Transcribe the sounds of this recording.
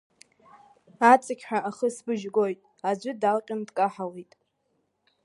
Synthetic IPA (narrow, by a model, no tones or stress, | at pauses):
at͡sʼakʲħᶣaʔaχəsbɨʒɡo̞jtʼ | ad͡ʑʷʏdalqʲʼɪndkʼaħalejtʼ